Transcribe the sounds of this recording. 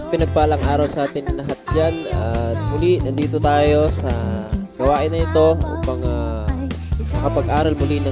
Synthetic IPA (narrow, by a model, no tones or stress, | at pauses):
pɪnɐɡ̚paːlɐŋʔaːɾɐwsɐʔaːt̪ɪnlɐɦat̪̚d͡ʒanamʊlinɐd̪iːt̪ot̪aːjo̞sɐɡ̥ɐwaːʔɪnɐɪt̪o̞ʔṵːpɐŋa | mɐkɐpɐɡʔaːɾɐlmʊlinɐ